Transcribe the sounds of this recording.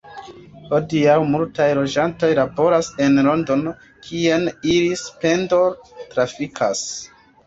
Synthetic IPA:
ho̞diawmultajlo̞d͡ʒanto̞jlabo̞ɾase̞nlo̞ndo̞n | kʰienilispe̞ndo̞tɾafikʰas

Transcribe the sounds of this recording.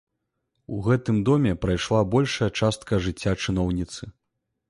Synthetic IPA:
uɣɛt̪ɨmd̪ɔmʲɛpɾajʂlˠabɔlʲʂɐjɐt͡ʂast̪̚kʰɐʐɨt͡sʲːat͡ʂɨnɔwnʲit̪sɨ

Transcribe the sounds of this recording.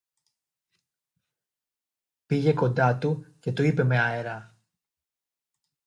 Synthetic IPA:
piʝe̞ko̞nd̪ɐt̪uce̞t̪oipe̞me̞ɐeɾɐ

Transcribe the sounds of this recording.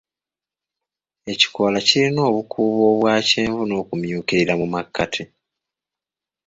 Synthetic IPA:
e̞ci̥koːlaciɾino̞ːβukʰuːβo̞ːβwaːceːɱvuno̞ːkumjuːkiɾiɾamumakːatʰi

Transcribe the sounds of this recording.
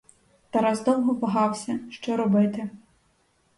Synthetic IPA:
t̪ɐɾɑzd̪ɔwɦɔbɐɦɑwsʲɐʃt͡ʃɔɾɔbɪt̪ɪ

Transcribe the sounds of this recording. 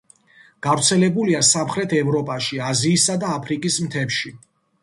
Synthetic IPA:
ɡ̥avɾt̪sʰɛlɛbuliasamχɾɛt̪ʰɛvɾɔpʼaʃiaziːsad̪aːpʰɾikʼismt̪ʰɛpʃi

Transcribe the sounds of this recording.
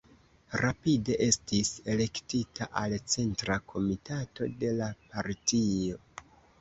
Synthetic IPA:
ɾapide̞ʔe̞stise̞le̞ktitʰaʔalt͡se̞ntɾakʰo̞mitato̞̰de̞lapaɾtio̞

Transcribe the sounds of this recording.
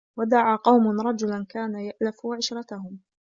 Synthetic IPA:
wad̪aʕaːqɑwmʊnɾˤɑd͡ʒʊlankaːnajaʔlafuʕɪʃɾˤɑt̪ahʊm

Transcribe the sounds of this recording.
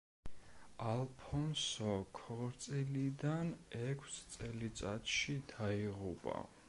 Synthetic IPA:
alˠpʰɔnsɔkʰɔɾt̪sʼilid̪anɛkʰst̪sʼɛlit̪sʼat̪ʃid̪aiʁupʼa̰

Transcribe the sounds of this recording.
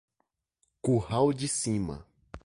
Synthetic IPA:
kuhawd͡ʒɪsĩmɐ̰

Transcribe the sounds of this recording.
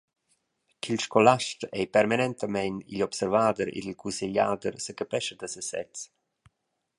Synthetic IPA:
kʰilʃkɔlaʃt̪ɛjpɛrmanɛnt̪əmɛjnḭʎɔpsɛɾvaːd̪əɾḭd̪ilkʰunsiʎa̰ːd̪əɾsəkəpɛʃəd̪əsəsɛ̰t͡s

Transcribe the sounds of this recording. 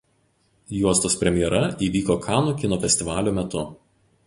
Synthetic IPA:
juɔst̪oːspʲɾʲɛmʲɪjɛɾɐiːʋʲiːkoːkʰɑːnuːkʲɪnɔːfʲɛsʲt̪ʲɪʋɑːlʲoːmʲɛt̪ʊ

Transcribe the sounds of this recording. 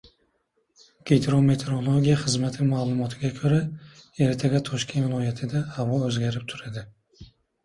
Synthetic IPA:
ɡ̥ʲejt̪ʰɾome̞t̪ʰe̞ɾo̞lˠoɡʲijaχɨzmat̪ʰɪmaːlˠʊmɒt̪ʰɪɡʲakʰɵɾae̞ɾt̪ʰeɡʲat̪ʰɒʃkʲʰe̞nt̪vɪlˠɒjat̪ʰɪd̪aːvʁɒɵzɡʲaɾɪp̚t̪ʰʊɾad̪ɪ

